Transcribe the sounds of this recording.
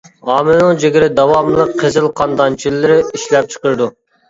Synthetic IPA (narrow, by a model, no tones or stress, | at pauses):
ɑːmɪnɨŋd͡ʒeɡʲiɾɪd̪ɑwɑmlˠəqqʰːezɪlˠqʰɑnd̪ɑnt͡ʃʰilːɪɾɪiʃlɛp̚t͡ʃʰə̥qəɾɨd̪u